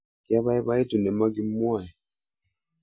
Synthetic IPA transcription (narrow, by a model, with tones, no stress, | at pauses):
ki˦a˦βa˦ɛ˦βa˦ɛ˦tu˨nɛ˨ma˦ɡi˦mwa˦˨jɛ˨